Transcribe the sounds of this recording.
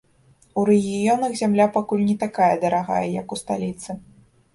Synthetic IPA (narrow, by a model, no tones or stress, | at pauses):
uɾɛɣʲijɔnɐɣzʲamlʲapakulʲnʲɛt̪akajɐd̪ɐɾaɣa̰jɐjɐkust̪alʲit̪sɨ